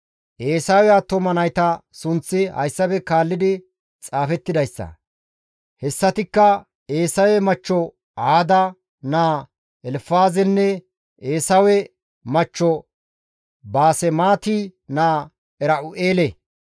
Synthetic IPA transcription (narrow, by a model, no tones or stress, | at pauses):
ʔeːsɐwɛɐt̪ːɔmɐnɐjt̪ɐsʊnt͡sːɪhɐ̰jsːɐbɛkaːlːɪd̪ɪ | t͡sʼaːfɛt̪ːɪd̪ɐjsːɐ̰ | hɛsːɐt̪ɪkːɐ | eːsɐwɛmɐt͡ʃːɔ | aːd̪ɐ | naː | ɛlfaːzɛnːɛ | ʔeːsɐwɛ | mɐt͡ʃːɔ | baːsɛmaːt̪inaː | ɛɾɐʔʊʔeːlɛ